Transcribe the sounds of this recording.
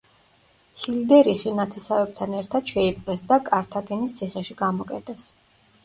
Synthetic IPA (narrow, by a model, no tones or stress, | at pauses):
hild̪ɛɾiχinat̪ʰɛsavɛb̥̚t̪ʰanɛɾt̪ʰad̪̥ʃɛipʼqʼɛsd̪akʼaɾt̪ʰaɡɛnist̪sʰiχɛʃiɡamɔkʼɛt̪ʼɛs